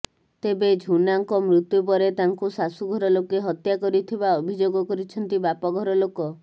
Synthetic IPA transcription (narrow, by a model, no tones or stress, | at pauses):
t̪ebed͡ʒʱunaŋkɔmɾut̪jup̬ɔɾet̪aŋkusasuɡʱɔɾɔlokeɦɔt̪jakɔɾit̪ʰibaɔbʱid͡ʒoɡɔkɔɾit͡ʃʰɔnt̪ibapɔɡʱɔɾɔlokɔ